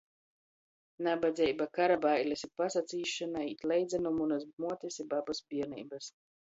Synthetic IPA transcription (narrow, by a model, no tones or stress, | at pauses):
nabad̪zʲɛjbakaɾabajlʲɛsipasat̪sʲiːʃanaiːt̪lɛjd̪zʲɛnumunazmuɔt̪ʲisʲibabasbʲiɛɾnḭːbas